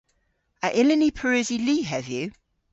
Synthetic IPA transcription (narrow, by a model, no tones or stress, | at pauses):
əʔɪlɪnipʰəɹʉːziliːɦəvjʉ